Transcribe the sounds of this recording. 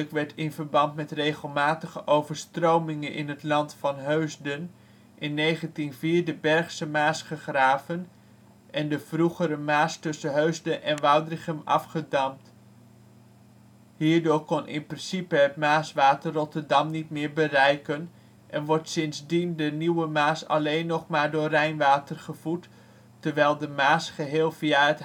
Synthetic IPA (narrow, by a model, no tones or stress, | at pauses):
əkʋɛɹtʰɪnv̥əɹbɑntmɛtrejχəlˠmaːtəχəʔowvəɹstrowmɪŋənʔɪ̰nɦətlɑntfɑnɦøɥzdən | ʔɪnːejχəntinviːɹdəbɛɹχsəmaːsχəχraːvən | ʔɛndəv̥ruχəɾəmaːstɵsəɦøɥzdəʔɛnʋɑwdrɪχəmɑ̰fχədɑmt | hiːɹdʊːɹkɔnʔɪ̰nprɪnsipəɦətmaːsʋaːtərːɔtəɹdɑmnit̚mɪːɹbərɛjkən | ʔɛnʋɔɹtsɪnzdindəniwəmaːsɑ̰lejnːɔχmaːɹdʊːrɛjnʋaːtərχəv̥utː | əɹʋɛjlˠdəmaːsχəɦɪːlˠv̥iaət